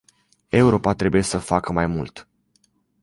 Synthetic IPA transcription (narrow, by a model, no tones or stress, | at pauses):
e̞uɾo̞pat̪ɾe̞buje̞səfakəmajmult̪